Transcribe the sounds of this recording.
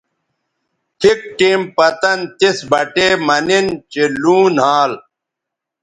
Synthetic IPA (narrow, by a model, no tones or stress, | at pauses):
t̪ʰik̚ʈiːmpɐt̪ɐnt̪isbɐʈeːmɐnint͡ɕiluːnɦaːl